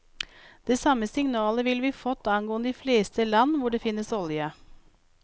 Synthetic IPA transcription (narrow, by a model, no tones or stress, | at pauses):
d̪̥eːsɑməsɪŋnɑːləʋɪlʋiːfɔt̪ːɑnɡoːənd̪iːfleːst̪əlɑnːʋʊɖeːfɪnːəsɔljə